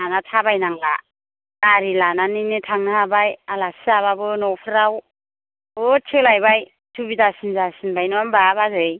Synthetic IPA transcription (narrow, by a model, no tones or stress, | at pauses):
anatʰabajnaŋla̰ | kaɾilananinetʰaŋnahabajalasiaβabɯnɔpʰɾaw | ɯtʰɯlajbaj | tʰubitasinzasinbajnɔambabazɯj